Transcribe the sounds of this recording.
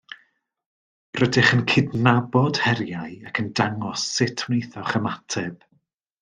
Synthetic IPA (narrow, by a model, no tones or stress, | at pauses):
rədɪχənkʰɪdnabɔd̥hɛɾjaɨakʰəndaŋɔsːɪtʰwnejθɔχəmatʰɛb̥